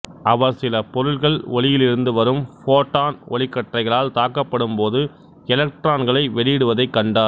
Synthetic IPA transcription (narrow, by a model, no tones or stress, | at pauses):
ɐʋɐɾsɪlɐpɔɾɯɭɣɐɭɔɭɪjɪlɪɾɯnd̪ɯʋɐɾɯmfoːʈːaːnʔɔ̰ɭɪkːɐʈrɐɪɣɐɭaːlt̪aːkːɐpːɐɽɯmpoːðɯ | ɛlɐk̚ʈɾaːnɡɐɭɐɪʋɛɽɪjɪɽɯʋɐðɐɪkːɐɳɖaːɾ